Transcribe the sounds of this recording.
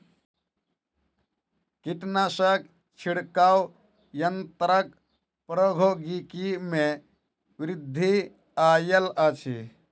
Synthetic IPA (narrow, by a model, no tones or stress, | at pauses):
kiʈnasək̚ | t͡ʃʰiɽkaw | jənt̪ɾək̚ | pɾəɡʱoɡikime | ʋɾid̪ʱːi | ajələt͡ʃʰi